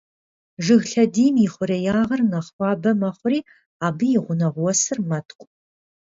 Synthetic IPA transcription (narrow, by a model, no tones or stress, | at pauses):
ʒɨɣɬɐdiːmjɪχʷʊɾɐjaːʁɐrnɐχwʷɑːbɐmɐχʷʊɾiː | aːbɨjɪʁʷʊnɐʁʷwɔsɨrmɐtʰqʷʼ